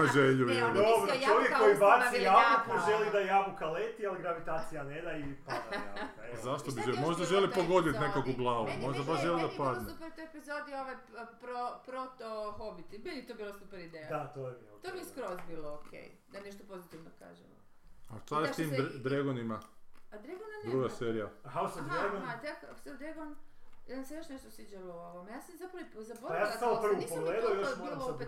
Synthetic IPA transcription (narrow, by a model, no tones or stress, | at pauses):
paʒeʎujeld̪obɾojoʋjekːoibaakapoʒd͡ʒelid̪ajaːʋukalet̪ialiɡɾaʋit̪aːt̪sijaned̪aipad̪aja̰ | zaʃt̪obiʒelmo̞ʒd̪aʒelipoɡo̞d̪it̪nekakuɡlˠaːʋumo̞ʒd̪abaʃʒelid̪apad̪nept̪ojepizod̪ioʋajpɾopɾot̪oxobit̪ibilit̪obilˠasupɛɾid̪ejjad̪at̪ojebiomiskɾozbiːlookʰḛj | d̪aneʃt̪opo̞zit̪iʋnoka̰ːʒɛ̰o̰ | at̪alt̪iːmd̪ɾeɡonimaad̪ɾeɡonand̪ɾuːɡaseɾijahawsod̪ɾeɡat̪aksed̪ɾeɡonjasamsejoʃneʃt̪osʋid͡ʑalooʋomjaːsamzapɾɐipzaboɾaajaːlssaopɾruipoɡleːd̪aojoilope